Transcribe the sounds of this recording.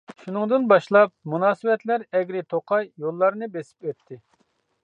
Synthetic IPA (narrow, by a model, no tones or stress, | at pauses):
ʃunɨŋd̪ɨnbɑʃlˠɑp̚munɑːsɨwɛt̪læɾɛɡʲɾɪt̪ʰoqʰɑjjolˠːɑɾnɨbesɪ̥pøt̪ʰːɪ